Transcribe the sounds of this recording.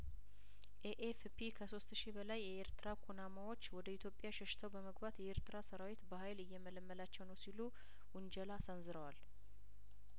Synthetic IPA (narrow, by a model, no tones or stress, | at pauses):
ʔeʔefpʰikʰəso̞st̪ʃibəlajːɛeɾt̪ɨɾakʰunamawo̞t͡ʃːwɔd̪əit̪ʰjo̞pʼːjaʃɛʃt̪ʰəwbəməɡbat̪jɛeɾt̪ɨɾasəɾawit̪bəɦajlɨjːɛmələmːəlat͡ʃːɛwnəwsilu | wʊnd͡ʒəlasənzɨɾəwal